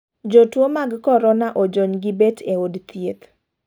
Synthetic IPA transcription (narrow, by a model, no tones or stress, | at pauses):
d͡ʒotwomaɡkɔɾɔnaʔɔd͡ʒoɲɡɪbetʰeodt̪jet̪